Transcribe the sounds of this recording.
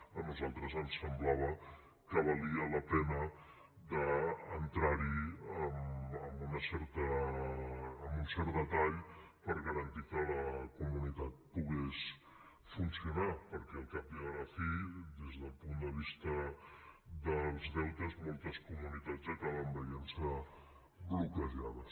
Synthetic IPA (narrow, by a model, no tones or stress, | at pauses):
ənuzalˠt̪ɾəzənsəmblaβ̞ə | kəβ̞əliələpɛnə | ðəːnt̪ɾaɾiəməmbunəsɛɾt̪ə | munsɛɾt̪ət̪aʎ | pəɾɣəɾənt̪ikələkumunit̪at̪̚puɣes | funsiunapəɾkɛəlˠkap̚iðələfid̪ezðəlˠpund̪əβist̪ə | ðəlˠzðɛwt̪əzmɔlˠt̪əskumunit̪ad͡zəkaβəmbəjensə | blukəʒaðə